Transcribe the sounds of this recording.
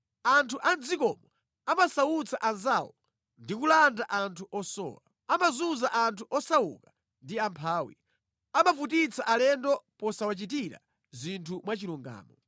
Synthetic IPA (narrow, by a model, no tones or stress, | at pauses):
antʰuʔand͡zikɔ̰mɔ | amasawut͡sʰaʔanzawɔ | ndikulandaʔantʰuʔɔsɔ̰ːla | amazuzaʔantʰuʔɔsawṵka | ndiampʰaːwḭ | amavut̬it͡sʰaʔalɛndɔpɔsawat͡ʃit̬iɾa̰ | zintʰumwat͡ʃiɾuŋɡa̰ːmɔ